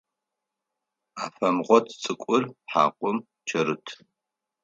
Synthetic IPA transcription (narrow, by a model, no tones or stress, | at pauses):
aːfɐmʁʷɔtʰt͡sʼɨkʷʼʊrħa̰ːqʷʼʊm | t͡ʃʰɐɾɨtʰ